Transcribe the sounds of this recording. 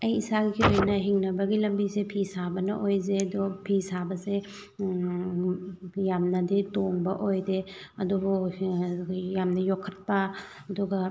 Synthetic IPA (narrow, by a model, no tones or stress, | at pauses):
ɐjisaɡikʰiojnɐɦiŋnɐbɐɡilɐmbisepʰisabɐnɐ̰ʔojzedopʰisabɐse | jamnɐditoŋbɐ̰ʔojdeɐdubu | jamnɐjokʰːɐt̚pɐ | ɐduɡɐ